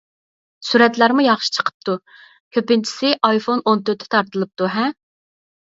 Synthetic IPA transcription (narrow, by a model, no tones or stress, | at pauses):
suɾɛt̪læɾmujɑχʃi̥t͡ʃʰə̥qʰə̥p̚t̪u | kʲʰøpɪnt͡ʃʰi̥sɪʔɑjfonont̪øɾt̪ʰːɛ̥t̪ʰɑɾt̪ɨlˠɨp̚t̪uɦɛm